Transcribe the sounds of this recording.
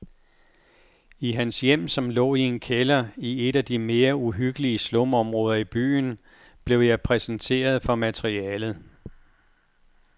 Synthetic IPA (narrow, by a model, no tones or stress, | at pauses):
iɦænsjem̰sɒ̽mlɔ̰ːie̝nkʰelɐie̝d̥æd̥ime̝ːɐuɦyɡ̥əliəslɔ̽mɒ̽mʁɔ̽ːðˠɐib̥y̰ːn̩ | b̥le̝ʊjɑ̈ɪpʰʁɛsn̩t͡sʰe̝̰ːɐð̞ˠfɒ̽mæt͡sʰʁiɛːlð̩ˠ